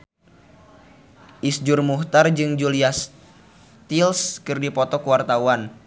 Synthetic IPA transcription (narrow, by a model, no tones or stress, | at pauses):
ʔisd͡ʒʊrmuht̪ard͡ʒɨŋd͡ʒulias | t̪ilskɨrdipɔt̪ɔkəwart̪awan